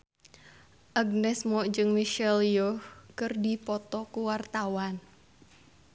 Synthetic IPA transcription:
ʔaɡ̚nɛsmɔʔd͡ʒɨŋmiʃɛljɔhkɨrdipɔt̪ɔkuwart̪awan

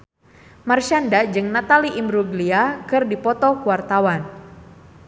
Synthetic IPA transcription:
marʃandad͡ʒɨŋnat̪aliʔimɾuɡliakɨrdipɔt̪ɔkuwart̪awan

